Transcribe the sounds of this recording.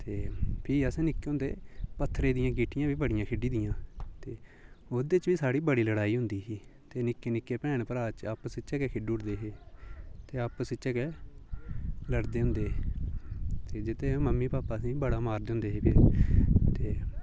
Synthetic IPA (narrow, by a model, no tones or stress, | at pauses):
t̪eːpʰɪːəsẽːnɪkːeːɦʊ̃nd̪ḛːpət̪ʰːɾeːd̪ɪjãːɡiːʈɪjãːbiːbəɽɪjãːkʰɪɖiːd̪ɪjãːt̪eːoːd̪eːt͡ʃʋiːsaːɽiːbəɽiːləɽaːiːɦʊnd̪iːsiːt̪eːnɪkːeːnɪkːeːpɛ̃ːɳpəɾaːt͡ʃəpsɪt͡ʃəkeːkʰɪɖʊɽd̪eːɦeːt̪eːəpsɪt͡ʃəːkeː | ləɽd̪eːɦʊ̃nd̪eː | t̪eːd͡ʒɪt̪ẽməmːiːpaːpaːəsĩːbəɽaːmaːɾd̪ʊ̃nd̪eːɦeːpʰɪɾt̪eː